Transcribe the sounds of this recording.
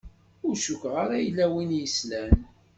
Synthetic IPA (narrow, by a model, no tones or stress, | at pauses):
ʊɾʃukʁaɾæjlːæwinjəslæn